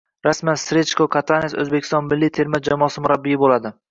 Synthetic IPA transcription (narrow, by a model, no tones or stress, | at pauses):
ɾasmansɾet͡ʃkokʰat̪ʰanesɵ̰zbekʲɪ̥st̪ɒnmɪlːijt̪ʰe̞ɾmad͡ʒamɒːsɪmʊɾabːijɪbolad̪ɪ